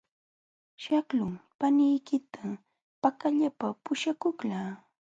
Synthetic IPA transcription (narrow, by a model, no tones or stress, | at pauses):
ʃaklʊŋpanɪjkɪt̪ʰa | pakaʎapapʊʃakʊklaː